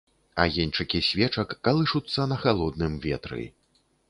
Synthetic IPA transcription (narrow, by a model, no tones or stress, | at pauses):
a̰jɛnʲt͡ʂɨkʲisʲvʲɛt͡ʂɐkːalˠɨʂut̪sːɐnɐxalˠɔd̪̚nɨmvʲɛ̰t̪ɾɨ̰